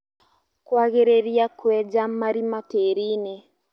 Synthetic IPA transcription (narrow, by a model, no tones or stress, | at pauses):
kwaɣeɾeɾiakwɛd͡ʒamaɾimateɾine